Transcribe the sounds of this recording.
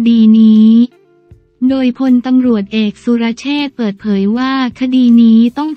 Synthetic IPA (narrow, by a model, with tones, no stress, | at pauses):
iː˧niː˦˥ | doː˧jpʰo˧nt̪a˧mɾu˨˩ət̪̚ʔeː˨˩k̚su˧ɾa˦˥t͡ɕʰeː˥˩t̪̚pɤː˨˩t̪̚pʰɤː˩˦jwaː˥˩kʰa˧diː˧niː˦˥t̪ɔ˥˩ŋ